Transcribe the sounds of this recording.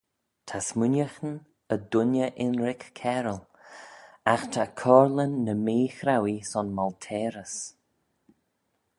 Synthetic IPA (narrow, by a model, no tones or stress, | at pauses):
t̪ʰasmʊnjəxn | əd̪ʊnjəʔɪnɾɪkːʰɛɾəl | axt̪ʰakʰɔːɹlənːəmeːxɾawisɔnmɔlt̪ʰɛːɾəs